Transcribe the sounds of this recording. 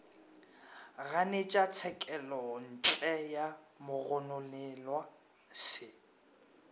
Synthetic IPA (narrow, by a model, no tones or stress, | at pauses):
ɣanet͡ʃʼat͡sʰɛkʼɛlɔn̩t͡ɬʼɛja | mʊɣɔnʊlɛlwa | sɪ